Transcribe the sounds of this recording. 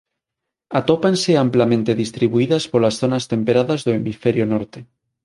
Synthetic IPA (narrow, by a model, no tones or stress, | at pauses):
at̪opanseamplamẽnt̪eðist̪ɾiβuiðaspoɾlasθonast̪ẽmpeɾaðazðoemifeɾjonoɾt̪e